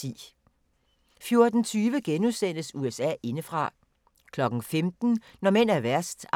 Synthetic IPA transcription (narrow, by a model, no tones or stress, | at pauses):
ḭː | fjo̝ɐd̥n̩t͡sʰyːʋəɡ̥enuðˠsen̰əsuesɛ̰ːe̝nəfʁɑ̈ | kʰlɒ̽ɡ̥n̩femd̥n̩nɒmen̰æɐʋæɐsd̥